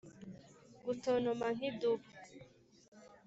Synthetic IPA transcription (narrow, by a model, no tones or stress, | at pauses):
ɡutonomaŋ̥iduβu